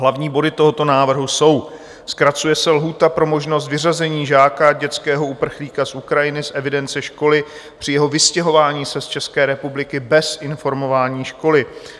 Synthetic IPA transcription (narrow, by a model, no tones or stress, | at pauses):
ɦlavɲiːbo̞dɪt̪oɦot̪o̞naːvr̩ɦuso̞w | skɾat͡sujɛsɛlɦuːt̪apɾo̞mo̞ʒno̞s̬t̪vɪrazɛɲiːʒaːkaɟɛt͡skɛːɦo̞upr̩xliːkasʔukɾajɪnɪsʔɛvɪdɛnt͡sɛʃko̞lɪ | pr̝̥ɪjɛɦo̞vɪscɛɦo̞vaːɲiːsɛst͡ʃɛskɛːɾɛpublɪkɪbɛsʔɪnfo̞ɾmo̞vaːɲiːʃko̞lɪ